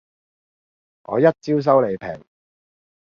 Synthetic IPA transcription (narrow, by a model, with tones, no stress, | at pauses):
ŋʔɔ̰ː˨˧jɐ˥t̚t͡siː˥ws̬ɐ˥wle˨˧jpʰɛ̰ː˨˩ŋ